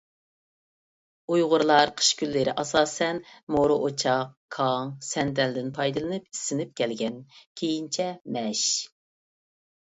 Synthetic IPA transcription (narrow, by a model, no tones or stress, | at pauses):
ujʁʊɾlˠɑɾqʰə̥ʃkʲylːɪɾɪ̰ʔɑsɑːsɛnmoɾʊʔot͡ʃʰɑqkʰɑŋsɛnd̪ɛld̪ɪnpʰɑjd̪ɨlˠɨnɨpi̥sːɪnɪp̚kʲʰɛlɡʲɛnkʲʰejint͡ʃʰɛmɛʃ